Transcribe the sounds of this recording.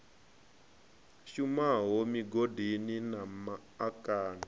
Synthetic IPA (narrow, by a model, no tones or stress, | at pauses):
ʃumaɦomiɡodʱininamaːkaːna